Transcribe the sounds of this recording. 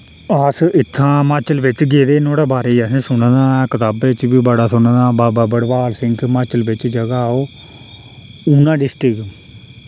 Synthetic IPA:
asɪt̪ʰːãːmaːt͡ʃəlʋɪt͡ʃɡeːd̪eːnoːɽaːbaːɾeiasẽsʊñə̃d̪aːkət̪aːbɪt͡ʃbiːbəɽaːsʊnə̃d̪aːbaːbaːbəɽbaːlsɪ̃ŋɡmaːt͡ʃəlbɪt͡ʃd͡ʒəɡaːoː | uːnãːɖɪsʈɪk

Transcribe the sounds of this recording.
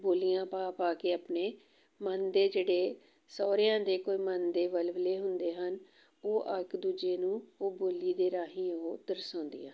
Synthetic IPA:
boːlijãːpaːpaːkeːəpneː | mənd̪eːd͡ʒeːɽeː | sɔːɾɪjãːd̪eːkoːiːmənd̪eːʋəlʋleːɦʊnd̪eːɦən | oːʔəkd̪uːd͡ʒeːnũːoːboːliːd̪eːɾaːɦĩːoɦoːd̪əɾsãːnd̪ḭjãː

